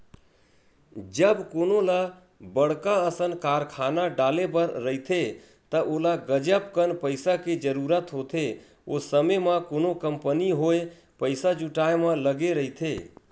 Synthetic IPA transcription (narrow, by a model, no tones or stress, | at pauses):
d͡ʒəbkonola | bəɽkaəsənkaɾkʰanaɖalebəɾːəɦit̪ʰe | t̪əʔolaɡəd͡ʒəpkənpəɪsaked͡ʒəɾuɾət̪ɦot̪ʰe | osəməməkonokəmpəniɦoje | pəɪsad͡ʒuʈaemə̃ləɡeɾəit̪ʰe